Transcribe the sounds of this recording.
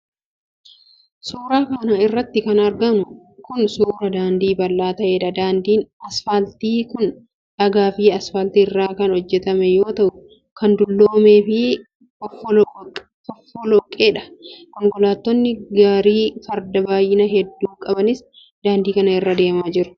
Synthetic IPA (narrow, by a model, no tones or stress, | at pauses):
suːɾaːkɐnɐɪrːɐt̪ːɪkɐnɐɾɡɐnʊ | kʊnsuːɾɐd̪aːnd̪iːbɐlːaːt̪ɐʔe̞ːᶑɐd̪aːnd̪iːnɐsfɐlt̪iːkʊn | ᶑɐɡaːfiːɐsfɐlt̪iɪrːaːkɐnhɔd͡ʒːɛt̪ɐmɛjo̞ːt̪ɐʔʊ | kɐnd̪ʊlːoːme̞ːfɪ | ɔf | fɔfːɔlɔkʼːeːᶑɐ̥kɔŋkʼɔlaːt̪ːɔnːɪɡaːɾiːfɐɾd̪ɐbaːjːɪnɐɦɛd̪ːuːkʼɐbɐnɪs | d̪̥aːnd̪iːkɐnɐɪrːaːd̪e̞ːmaːd͡ʒɪɾʊ̥